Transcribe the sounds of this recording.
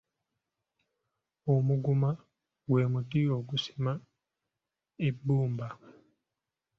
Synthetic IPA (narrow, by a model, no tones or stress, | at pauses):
omuɡuma | ɡwe̞ːmutio̞ɡusi̥ma | ebːuːmba